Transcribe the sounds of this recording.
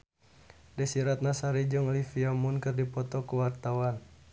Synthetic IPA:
dɛsiɾat̪̚nasaɾid͡ʒɔŋlifiamunkərdipɔt̪ɔkuwart̪awan

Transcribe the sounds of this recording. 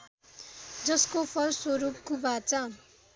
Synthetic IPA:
d͡zʌskopʰʌrswoɾup̚kubʱat͡sʌ

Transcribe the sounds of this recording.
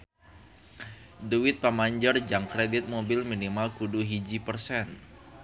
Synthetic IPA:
duwɪt̪̚pamaɲd͡ʒərd͡ʒaŋkɾedɪt̪̚mobɪlminimalkuduɦid͡ʒipərsɛn

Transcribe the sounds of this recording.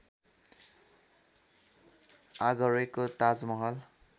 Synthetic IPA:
aɡʌɾekot̪ad͡zmʌɦʌl

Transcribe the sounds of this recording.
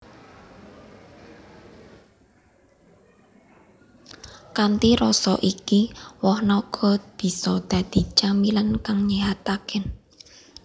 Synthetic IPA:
kant̪iɾɔsɔ̰ʔikiwɔhnɔɡ̥ʰɔ̤b̥i̤sɔd̪̥ä̤d̪̥i̤t͡ʃamilənkaŋɲiɦat̪akɪn

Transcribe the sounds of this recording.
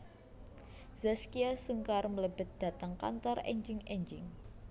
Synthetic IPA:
z̥askiasuŋkarmələbə̤t̪̚d̪̥a̤t̪aŋka̰nt̪ɔrɛ̰ɲd͡ʒɪŋɛɲd͡ʒɪŋ

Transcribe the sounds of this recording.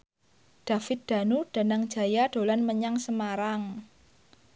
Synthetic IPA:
ɖ̥a̤fɪt̪̚d̪̥a̤nuɖ̥a̤naŋ̥d͡ʒ̥a̤jaɖ̥o̤lanməɲaŋsəmaɾaŋ

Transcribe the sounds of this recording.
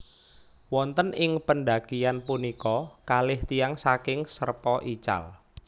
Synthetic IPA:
wɔnt̪ənɪŋpənɖakijanpunikɔkalɪht̪ijaŋsakɪŋsərpɔʔit͡ʃa̰l

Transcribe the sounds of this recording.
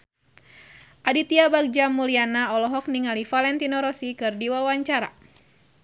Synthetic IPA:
ʔadit̪iabaɡ̚d͡ʒamulianaɔlɔɦɔk̚niŋalifalɛnt̪inɔɾɔsikɨrdiwawaɲt͡ʃaɾa̰

